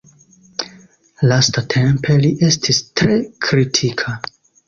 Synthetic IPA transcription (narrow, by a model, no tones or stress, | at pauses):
lastatʰe̞mpʰe̞liʔe̞stʰistɾe̞kɾitʰikʰa